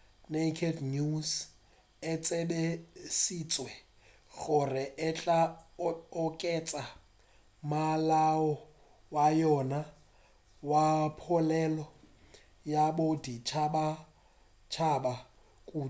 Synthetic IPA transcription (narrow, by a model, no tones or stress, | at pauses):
nekʰednus | ɛt͡sʼɛbesit͡sʼwɛ | ɣʊrɪʔɛt͡ɬʼa | ʊkʼɛt͡sʼa | malaɔ | wajɔna | wapʰʊlɛlɔ | jabodit͡ʃʰaba | t͡ʃʰaba | kʼu